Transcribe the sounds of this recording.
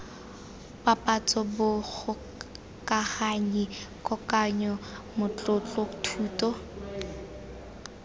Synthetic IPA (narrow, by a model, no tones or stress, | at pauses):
papʼat͡sʼɔbʊɣʊ | kaχaɲikʼɔkaɲɔmʊt͡ɬʊt͡ɬɔtʰuːtɔ